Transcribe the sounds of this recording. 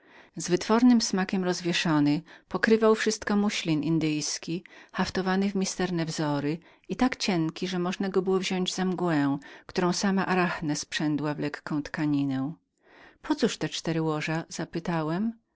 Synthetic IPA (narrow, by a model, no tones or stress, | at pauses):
zvɘt̪fɔɾnɘmsmakʲɛmɾɔzvʲjɛʂɔnɘpɔkɾɘvawfʂɘst̪kɔmuɕlʲinʔind̪ɘjskʲixaft̪ɔvanɘvmʲist̪ɛɾnɛvzɔɾɘ | it̪akt͡ɕɛŋkʲiʐɛmɔʐnaɡɔbɘwɔvʑɔɲd͡ʑzamɡwɛ̃kt̪uɾɔ̃w̃samaʔaɾaxnɛspʂɛnd̪wavlɛkːɔ̃w̃t̪kaɲinɛ̃ | pʰɔt̪suʂt̪ɛt͡ʂt̪ɛɾɘwɔʐaz̥apɘt̪awɛm